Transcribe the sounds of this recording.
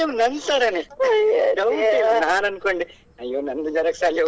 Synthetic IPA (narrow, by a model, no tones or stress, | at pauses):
enɐnd̪saːɾɐni | ɾɐwɖinaːnɐnukoɳɖi | ɐjoːnɐnd̪ud͡ʒɐɾɐksaːljɐ